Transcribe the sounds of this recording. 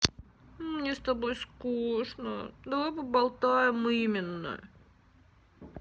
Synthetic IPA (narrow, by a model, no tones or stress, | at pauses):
mnʲest̪ɐbojskuʂnə̰d̪ɐvopəbɐlˠt̪ajɪmimʲɪnːə̰